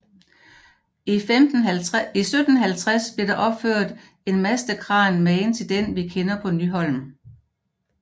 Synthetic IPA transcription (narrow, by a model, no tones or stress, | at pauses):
md̥n̩isød̥n̩ɦælt͡sʰʁasb̥liɐɾ̥ɑ̈ʔɒ̽b̥føɐ̰d̥ | e̝nmæsd̥əkʰʁɑ̰̈ːnmɛɪnt͡sʰe̝ld̥enʋikʰenɐpʰɒ̽nyɦɒ̽l̰m̩